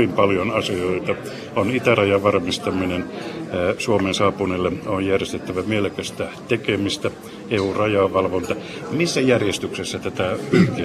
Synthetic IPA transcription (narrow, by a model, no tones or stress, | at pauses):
impɑljonɑsioit̪ɑ | onit̪ærɑjɑʋʋɑrmist̪ɑminen | suomensɑːpunelːeojjærjest̪et̪ːæʋæmelkæst̪æt̪ekemist̪æ | eurɑjɑʋɑlʋont̪ɑ | misːæjærjest̪yksesːɑt̪æt̪æyht̪i